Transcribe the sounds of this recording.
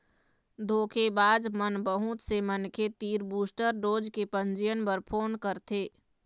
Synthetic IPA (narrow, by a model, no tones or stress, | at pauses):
d̪ʱoːkʰebaːd͡ʒmənbəɦʊt̪semənkʰet̪iːɾbuːsʈəɾɖoːd͡ʒkepə̃ɲd͡ʒijənpəɾpʰoːnkəɾt̪ʰeː